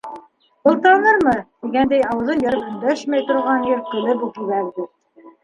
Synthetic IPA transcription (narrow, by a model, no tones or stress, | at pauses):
bɤ̆lˠt̪ɑnɤɾmɤt̪iɡænd̪æjɑwɤ̆ðɤnjɑɾɤpɵ̆nd̪æʃmæjt̪ŏɾʁɑnjɘ̆ɾqɵ̆lɘbukiβæɾd̪ɘ